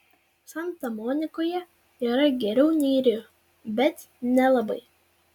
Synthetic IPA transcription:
sɐnt̪ɐmɔːnʲɪkoːjɛ | iːɾɐɡʲɛɾʲɛʊnʲiːɾʲɪu | bʲɛt̪ | nʲɛlˠɐbɐɪ

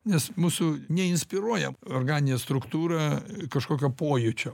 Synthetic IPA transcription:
nʲɛsmuːsʊnʲɛɪnʲsʲpʲɪɾuɔjɛorɡɑːnʲɪnʲeːst̪ɾʊkt̪uːɾɑkɐʃkoːkʲopoːjʊt͡ʃʲoː

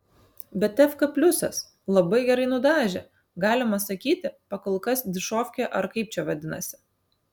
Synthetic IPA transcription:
bʲɛtt̪ʲɛfkɐpʲlʲʊsɐ̰s | lˠɐbɐɪɡʲɛɾɐɪnʊd̪ɑːʒʲɛ̰ | ɡɑːlʲɪmɐsɐkʲiːt̪ʲɪpɐkɐlˠkɐsd̪ʲɪʃoːfʲkʲeʔɐɾkɐɪp̚t͡ʃʲɛʋɐd̪ʲɪnɐ̰sʲɪ̥

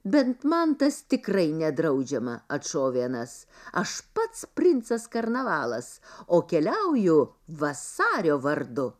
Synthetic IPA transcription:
bʲɛnt̪mɐnt̪ɐst̪ʲɪkɾɐɪnʲɛd̪ɾɐʊd͡ʒʲɛmɐɐt̪ʃoːʋʲiɛnɐsɐʃpɐt̪spʲɾʲɪnt̪sɐskɐɾnɐʋɑːlˠɐsoːkʲɛlʲɛʊjʊ | ʋɐsɑːɾʲoːʋɐɾd̪ʊ

